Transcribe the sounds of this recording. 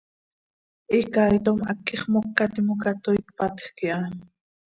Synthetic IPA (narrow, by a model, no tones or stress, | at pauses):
ʔikaːjt̪omakːiχmokːat̪imokat̪ojt̪pat̪χkiʔa